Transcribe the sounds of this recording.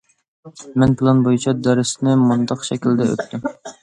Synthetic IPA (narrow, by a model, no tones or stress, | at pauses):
mɛnpʰɨlˠɑnbojut͡ʃʰɑd̪ɛɾɪsnɪmund̪ɑqʃɛkʲild̪ɛø̰t̪ʰːym